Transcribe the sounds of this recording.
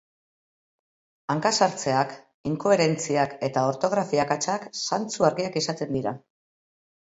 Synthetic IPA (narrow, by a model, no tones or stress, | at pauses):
aŋkasaɾt͡se̞ak | iŋko̞e̞ɾe̞nt͡siake̞t̪ao̞ɾt̪o̞ɣ̞ɾafiakat͡ʃaksant͡suaɾɣiakisat̪e̞nd̪iɾa